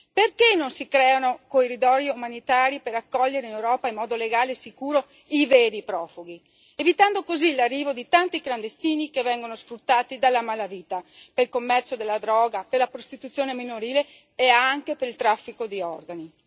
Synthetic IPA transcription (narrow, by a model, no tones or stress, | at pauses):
perkenːonsikɾɛːanokorid̪ɔːɾjiumanit̪aːɾipeɾakːɔʎːeɾeinewɾɔːpaimːɔːd̪oleɡaːlesikuːɾo | iveːɾipɾɔːfuɡi | evit̪and̪okozilarːiːvod̪it̪ant̪ikland̪est̪iːnikevɛŋɡonosfɾut̪ːaːt̪id̪alːamaːlaviːt̪apeilkomːɛrt͡ʃod̪elːad̪ɾɔːɡaperlapɾost̪it̪ut̪sːjoːneminoɾiːleː | aŋkepeɾilt̪ɾafːikod̪iɔrɡani